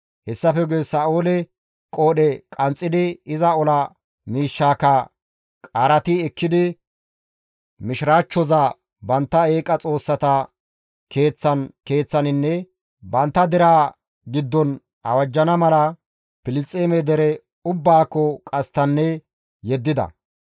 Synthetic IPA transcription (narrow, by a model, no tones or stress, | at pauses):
hɛsːɐfɛɡeːsaːoːlɛ | kʼoːɗɛkʼɐnt͡sʼːɪd̪ɪɪzɐɔlɐ | miːʃːaːkɐ | kʼaːɾɐt̪ɪɛkːɪd̪ɪ | mɪʃɪɾaːt͡ʃːɔzɐ | bɐnt̪ːɐeːkʼɐt͡sʼo̞ːsːɐt̪ɐ | kʰe̞ːt͡sːɐnke̞ːt͡sːɐnɪnːɛ | bɐnt̪ːɐd̪ɛɾaː | ɡɪd̪ːɔn | ɐ̰wɐd͡ʒːɐnɐmɐlɐ | pɪlɪt͡sʼeːmɛd̪ɛɾɛ | ʊbːaːkːɔkʼɐst̪ɐnːɛ | jɛd̪ːɪd̪ɐ̰